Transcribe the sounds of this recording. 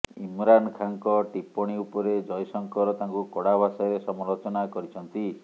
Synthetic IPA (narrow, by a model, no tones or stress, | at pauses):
imɾankʰaŋkɔʈipɔɽ̃iupɔɾed͡ʒɔjsɔŋkɔɾɔt̪aŋkukɔɽabʱasɔjɾesɔmɔɾot͡ʃɔnakɔɾit͡ʃʰɔnt̪i